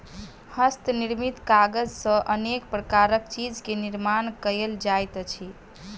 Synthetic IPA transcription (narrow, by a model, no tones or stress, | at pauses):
həst̪niɾmit̪kaɡəd͡ʒsə̃ʔənek̚pɾəkaɾəkt͡ʃid͡ʒkeniɾmankəeld͡ʒajt̪t͡ʃʰi